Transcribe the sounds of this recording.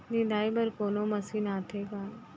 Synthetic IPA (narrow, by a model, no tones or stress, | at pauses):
nid̪aːibɐɾkoːnomɐsiːnaːt̪ʰekaː